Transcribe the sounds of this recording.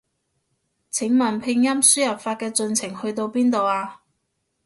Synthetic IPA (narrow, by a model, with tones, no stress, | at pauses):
t͡sʰɪ˨˥ŋmɐ˨˩npʰɪ˧ŋjɐ˥msyː˥jɐ˨˩pfaː˧t̚kɛː˧t͡sɵ˧nt͡sʰɪ˨˩ŋhɵ˧ɥt̪o˧wpiː˥nt̪o˨waː˧